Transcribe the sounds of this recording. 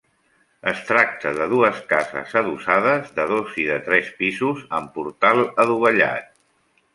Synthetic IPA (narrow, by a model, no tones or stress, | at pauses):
əst̪ɾak̚t̪əðəðuəskazə̰zəðusaðəzðəðoziðət̪ɾɛspizuzəmpuɾt̪alˠəðuβəʎa̰t̪̚